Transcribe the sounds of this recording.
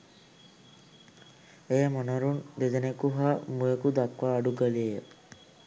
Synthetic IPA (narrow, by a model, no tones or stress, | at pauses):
ejamonɐɾund̪ed̪enekuɦamujekud̪akʋaːɖuɡaliejə